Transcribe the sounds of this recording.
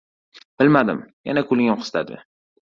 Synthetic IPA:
b̥ɪlmad̪ɪ̰mja̰nakʰʊlɪŋoqʰɨ̥st̪ʰa̰d̪ɪ̰

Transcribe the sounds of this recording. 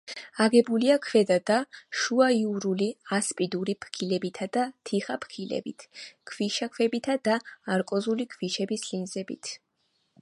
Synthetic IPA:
aɡɛbuliakʰwɛd̪ad̪aʃuaiuɾuliaspʼid̪uɾipʰkʰilɛbit̪ʰad̪at̪ʰiχapʰkʰilɛ̰bḭt̪ʰkʰviʃakʰvɛbit̪ʰad̪aaɾkʼɔzulikʰviʃɛbislinzɛbḭt̪ʰ

